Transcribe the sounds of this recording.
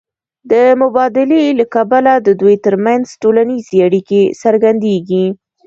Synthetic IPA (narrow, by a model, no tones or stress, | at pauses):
d̪əmʊbɑd̪ɪlelakabalad̪əd̪ujt̪əɾmanzʈolanizeaɽikesəɾɡand̪eɡi